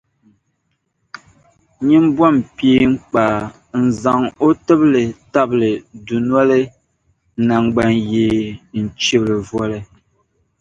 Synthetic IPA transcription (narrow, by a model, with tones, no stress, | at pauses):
ɲi˦m˦bwa˦˨mpje˦ŋ͡m̩˦k͡pa˨ | n̩˨za˨ŋo˦tə˦ble˨ta˦ble˨du˨nwa˦le˦ | na˨ŋ˨ɡ͡ba˨ŋjeː˨n̩˨t͡ʃi˦blə˨vwɔ˦lɛ˦